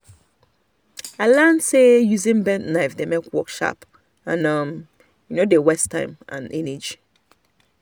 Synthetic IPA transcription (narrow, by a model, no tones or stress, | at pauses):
alãnsejuzĩnbɛ̃ntnaɪfdemekwɔkʃa̰p | ãnʌm | junodewɛstʰã̰ɪ̃mã̰nʔḭ̃ned͡ʒi